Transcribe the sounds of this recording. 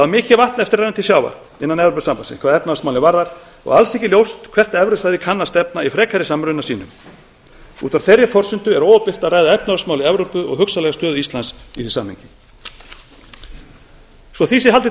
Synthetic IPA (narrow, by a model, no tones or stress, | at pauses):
aðmɪːcɪvaht̪nɛft̪ɪɾajɪnt̪ʰɪsjaːwva̰ | ɪnːanɛvɾowpʏsampansɪ̰nskʰvaːðɛpnaasmaːwlɪvaɾðaɾ̥ | ɔ̰ɣalsɛhcɪljowst̪kʰvɛr̥t̪ɛvɾʏsajðɪkʰanːast̪ɛpnaifɾɛːkʰajɾɪsamɾʏnasiːnʏm | ṵːt̪vaɾ̥θejrjɪfɔr̥sʏnt̪ʏɛɾoːwapɪr̥t̪aðraːjðaɛpnaasmaːwlɪɛvɾowpʏɔ̰ɣɦʏksalɛɣast̪œːðʏist̪lansiθi̥sa̰ːmhɪ̰ɲcɪ | svɔθisɪɦalt̪ɪ